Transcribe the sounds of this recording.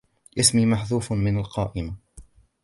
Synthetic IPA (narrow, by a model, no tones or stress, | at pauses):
ʔasmiːmaħðuːfmɪnalqɑ̰ːʔɪma